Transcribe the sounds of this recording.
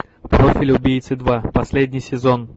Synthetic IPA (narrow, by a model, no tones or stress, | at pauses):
pɾofʲɪlʲʊbʲijt̪sɨd̪vapɐsʲlʲedʲnʲɪjsʲɪzon